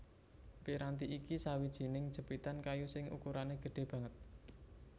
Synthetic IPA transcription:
piɾant̪iʔikisawid̥ʒ̥i̤nɪŋd̥ʒ̥ə̤b̥it̪ankajusɪŋʔṵkuɾaneɡ̥ə̤ɖ̥e̤b̥ä̤ŋət̪̚

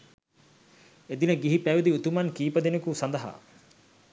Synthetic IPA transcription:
ed̪inɐɡiɦipæjud̪iut̪umɐnkiːpɐd̪enekusɐnd̪ɐɦa̰ː

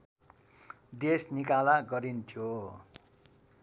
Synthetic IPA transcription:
d̪esnikalaɡʌɾint̪ʰjo

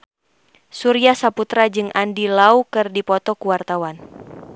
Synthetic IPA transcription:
suɾiasaput̪ɾad͡ʒɨŋʔandilaukɨrdipɔt̪ɔkuwart̪awan

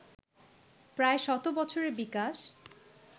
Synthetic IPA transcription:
pɾaeʃɔt̪obɔt͡ɕʰoɾeɾbikaʃ

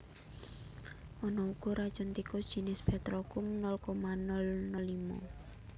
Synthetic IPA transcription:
ʔɔnɔuɡ̥ɔɾad̥ʒ̥ɔnt̪ikɔd̥ʒ̥i̤nɪsb̥ɛ̤t̪ɾɔkʊŋnɔlkɔmanɔlnɔlimɔ̰

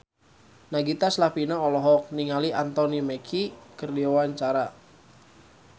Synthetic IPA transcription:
naɡit̪aslapinaɔlɔɦɔk̚niŋaliʔant̪ɔnimekʰikərdiowaɲt͡ʃaɾa

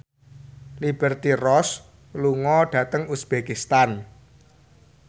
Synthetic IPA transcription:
lib̥ɛrt̪irɔs | luŋɔɖ̥ä̤t̪əŋusb̥ekist̪an

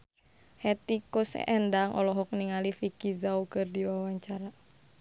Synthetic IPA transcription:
hɛt̪ikusɛ̰ʔɛndaŋʔɔ̰lɔɦɔk̚niŋalifikizaukɨrdiwawaɲt͡ʃaɾa

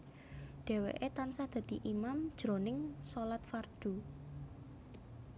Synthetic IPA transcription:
ɖ̪̥e̤wḛʔet̪ansahd̪̥ä̤d̪̥iʔimamd̥ʒ̥ɾonɪŋsolat̪̚fard̪̥u

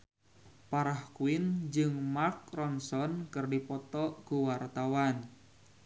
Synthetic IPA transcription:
paɾahkuɪnd͡ʒɨŋmark̚rɔnsɔnkɨrdipɔt̪ɔɡ̥uwart̪awan

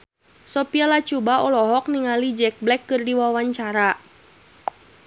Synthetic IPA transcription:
sɔpialat͡ʃubaɔlɔɦɔk̚niŋalid͡ʒɛk̚blɛkːɨrdiwawaɲt͡ʃaɾa

